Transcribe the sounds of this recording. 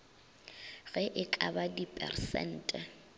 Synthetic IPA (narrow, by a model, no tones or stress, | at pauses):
ɣɛʔɪkʼabadipʼɛ̰rsɛ̰n̩ːtʼɛ